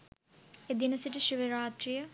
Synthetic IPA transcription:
ed̪inɐsiʈiʃuʋeɾaːt̪ɾijə

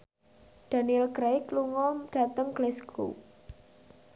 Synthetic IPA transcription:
d̪̥a̤niɛlkɾejkluŋɔmɖ̥a̤t̪əŋɡlɛskṵ

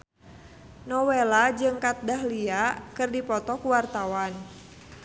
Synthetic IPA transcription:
nɔwelad͡ʒɨŋkat̪̚daɦliakɨrdipɔt̪ɔkuwart̪awan

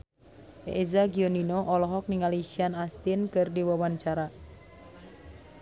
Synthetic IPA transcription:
ʔḛʔezaɡiɔninɔʔɔlɔɦɔk̚niŋaliʃianast̪inkɨrdiwawaɲt͡ʃaɾa

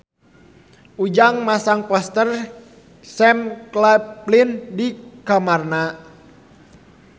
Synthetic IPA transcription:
ʔud͡ʒaŋmasaŋpɔst̪ər | sɛmklaplindikamarna

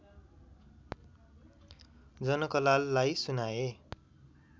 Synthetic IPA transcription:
d͡zʌnʌkʌlalːajsunae

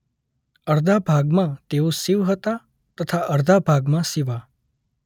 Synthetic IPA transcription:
əɾd̪ʱabʱaɡmãt̪eosiʋɦət̪a | t̪ət̪ʰaʔəɾd̪ʱabʱaɡmãsiʋa

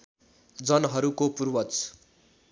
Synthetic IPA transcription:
d͡zʌnɦʌɾukopurwʌt͡s

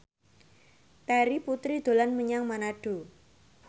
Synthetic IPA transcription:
t̪aɾiput̪ɾid̪̥o̤lanməɲaŋmanaɖ̥o̤

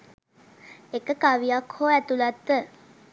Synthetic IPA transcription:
ekəkaʋijakhoːæt̪ulat̪ːə

